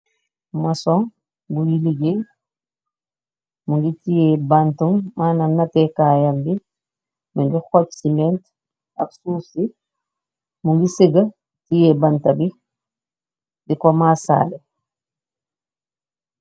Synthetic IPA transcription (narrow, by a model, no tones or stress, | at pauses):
masɔŋ | bujiliɡe | muŋɡitijɛbantumːaːnanːatɛkaːjambi | muŋɡixɔt͡ʃsimɛnt | a̰ksuːsi | muŋɡisiɡa | tijɛbantabi | dikɔmasa̰ːlɛ